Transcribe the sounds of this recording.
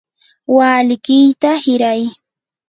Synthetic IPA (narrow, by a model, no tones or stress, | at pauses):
waːlɪkɪjt̪ahɪɾaj